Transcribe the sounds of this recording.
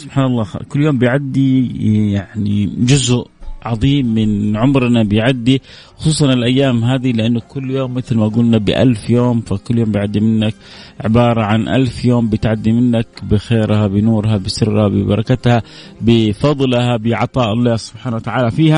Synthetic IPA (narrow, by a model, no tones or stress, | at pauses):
sʊb̥ħaːnɑlˤːɑ̰ːkʊlːjoːmbɪjʕad̪ːijaʕnid͡ʒʊzʔʕɑðˤiːmːɪnʕʊmɾnabɪjʕad̪ːi | xʊ̥sˤuːsˤɑnɪlʔajːaːmɦaːd̪ilɪʔanːʊkʊlːjoːmːɪθlmaɡuːlnabɪ̰ʔa̰lfjoːmfakʊlːjoːmbɪjʕad̪ːimɪnːak | ʕɪbɑːɾˤɑʕanʔa̰lfjoːmbɪt̪ʕad̪ːimɪnːakbɪxeːɾhabɪnuːɾhabɪsɪrːhabɪ̰bɑ̰ɾˤɑkat̪ha | bɪfɑðˤlhabɪʕɑt̪ˤɑːʔɑlˤːɑːsʊ̥b̥ħaːnawat̪aʕaːlafiːha